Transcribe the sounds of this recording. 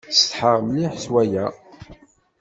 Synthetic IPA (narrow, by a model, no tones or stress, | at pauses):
st̪ħəʁmliħswæjæ